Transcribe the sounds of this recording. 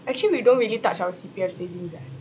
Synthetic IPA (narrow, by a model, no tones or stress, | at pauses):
ɛk̚t͡ʃuliwidõnɹiəlitat͡ʃawəsipiɛfsevĩŋsɛ